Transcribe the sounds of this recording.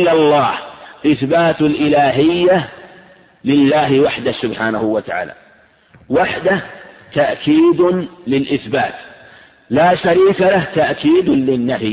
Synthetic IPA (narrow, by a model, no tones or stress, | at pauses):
lːalˤːɑːhʔɪθbaːt̪alʔɪlaːɦɪjːa | lɪlːaːɦɪwaħd̪ahsʊbħaːnahʊwat̪aʕa̰ːla̰ | waħd̪aht̪aʔkiːd̪lɪlʔɪθbaːt̪ | laːʃaɾiːkalaht̪aʔkiːd̪lɪnːah